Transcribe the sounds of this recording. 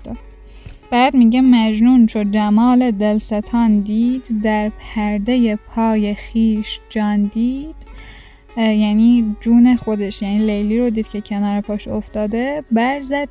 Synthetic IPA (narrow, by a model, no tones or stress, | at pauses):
b̥æːd̪miːɟemæd͡ʒnuːnʃʰod͡ʒæmɒːle̞d̪elset̪ʰɒːnd̪iːd̪̥d̪æɾpʰæɾd̪e̞je̞pʰɒːje̞xiːʃd͡ʒɒːnd̪iːd̪̥ | jæniːd͡ʒuːne̞xo̞d̪eʃjæniːlejliːɾod̪iːd̪̚cʰe̞cʰenɒːɾepʰɒːʃoft̪ɒːd̪ebæɾzæd̪̥̚